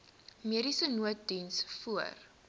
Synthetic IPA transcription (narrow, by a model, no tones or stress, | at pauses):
miəɾisənuət̚dinsfuər